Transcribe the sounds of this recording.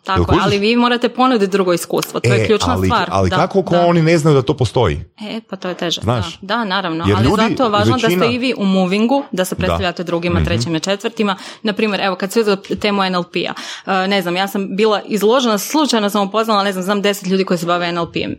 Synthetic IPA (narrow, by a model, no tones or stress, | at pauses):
t̪a̰koalliʋiːmo̞ːɾat̪epo̞nud̪it̪̚d̪ɾuɡo̞iskṵːst̪ʋot̪ojekʎuːt͡ʃnaiʋaːɾa̰lid̪akakokoonineznajud̪at̪o̞ːpost̪o̞jḭepat̪oːjet̪eʒa̰znaʃd̪anaːɾaʋnoealʎiuːzaojʋaːʒnd̪at̪eiʋiːʔumuʋiŋɡud̪asepɾt̪aʎat̪eud̪ɾuɡimat̪ɾet͡ɕimat͡ʃe̞t̪ʋɾt̪imanapɾiːmjeɾʔeʋo̞kad̪seuzɛot̪eːmuenelˠpḭa̰əːne̞znamjaːsambiːlˠaʔizlˠo̞ʒenaslˠut͡ʃajnosamupo̞znalˠane̞znamznaːmd̪e̞set̪ʎuːd̪ikoisebaʋeenelˠpḭḛm